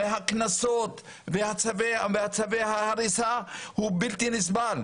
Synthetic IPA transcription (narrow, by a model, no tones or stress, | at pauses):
eɦaknasot̪ | vehat͡savevehat͡savehahaɾisahubilt̪inis̬bal